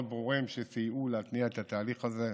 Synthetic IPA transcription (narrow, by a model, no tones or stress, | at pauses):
d̪̚bʁuʁimʃesijʔulat̪niaet̪at̪aːliχaze